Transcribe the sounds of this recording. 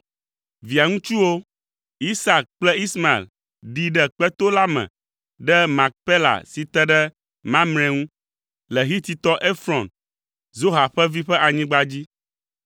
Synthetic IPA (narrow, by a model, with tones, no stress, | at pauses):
vi˨a˨ŋũ˦t͡ʃu˦wo˦ | i˦sa˨k̚k͡plɛ˦i˦sma˨ḛ˨l | ɖi˨ɖɛ˦k͡pɛ˦t̪o˦la˦mɛ̰̃˨ | ɖɛ˦mã˨k̚pe˦la̰˨si˨t̪ɛ˦ɖɛ˦ | mã˦mnɛ̃˨ŋũ˦ | lɛ˨ɦi˦t̪i˨t̪ɔ˦ʔe˦fɾɔ̃˨n | zo˦ɦa˨ɸɛ˦vi˦ɸɛ˦ʔa˨ɲĩ˦ɡ͡ba˦d͡ʑi˦